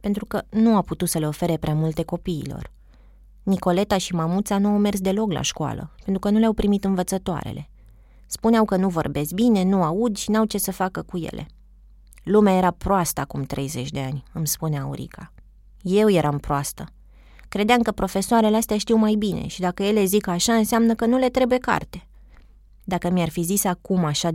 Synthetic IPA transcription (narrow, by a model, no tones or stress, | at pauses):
pent̪ɾukənuawput̪ut̪səle̞o̞fe̞ɾe̞pɾeamult̪e̞ko̞pḭːlo̞̰r | niko̞le̞t̪aʃimamut̪sanuawme̞rsd̪e̞lo̞kla̰ʃkoa̰lə̰pe̞nt̪ɾukənuleawpɾimit̪ɨnvət̪sət̪oa̰ɾe̞̰le̞̰ | spuneawkənuvo̞rbe̞st̪̚bine̞nuaud̪ʃinawt͡ʃe̞səfakəkuje̞̰lʔe̞̰ | lumeaje̞ɾapɾoast̪əakumt̪ɾe̞̰jze̞t͡ʃʲd̪e̞anʲɨmspuneauɾḭkʰa | je̞wje̞ɾʔampɾoast̪ə | kɾe̞d̪eamkəpɾo̞fe̞soaɾeleast̪ʲaʃt̪iwmajbine̞̰ʃid̪akəje̞le̞zikaʃaɨnseamnəkənule̞t̪ɾe̞buje̞ka̰rt̪e̞ | d̪akəmiarfizisakumaʃa